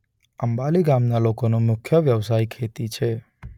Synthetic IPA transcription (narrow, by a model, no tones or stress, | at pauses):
əmbaliɡamnalokonomʊkʰːjəʋjəʋsaikʰet̪it͡ʃʰe